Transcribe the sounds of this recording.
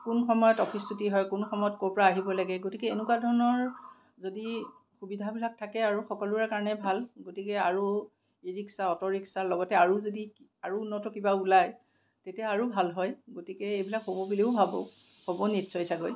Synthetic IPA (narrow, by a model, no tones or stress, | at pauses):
kunxɔmɔjɔtɔpʰisutiɦɔjkunxɔmɔjɔt̚koɹpɔɹaːɦibɔlaɡɛɡotikɛenʊkwadʱɔɹɔnɔɹ | zodi | xubidʱabilak̚tʰakɛaɹuxɔkɔluakaɹɔnɛbʱalɡotikɛaɹu | eɹiksaɔtɔɹiksalɔɡɔtɛaɹuzodiaɹuːnːɔtɔkibaulaj | tetiaaɹubʱalɦɔjɡotikɛejbilakɦobɔbiliʊbʱabɔ̰hobɔnitsɔjsaɡoj